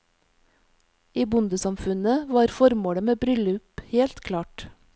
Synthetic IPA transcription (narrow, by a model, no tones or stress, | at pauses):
iːbʊnd̪əsɑmfʉnəʋɑːɾfɔɾmoːɽəmeːbɾʏləʉpheːlt̪kʰlɑːʈ